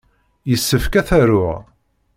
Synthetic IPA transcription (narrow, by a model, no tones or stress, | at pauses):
jəsːəfkæθæɾʊʁ